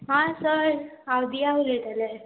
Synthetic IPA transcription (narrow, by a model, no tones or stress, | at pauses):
ɦãsəɾawd̪ʱiauleʈ̪ale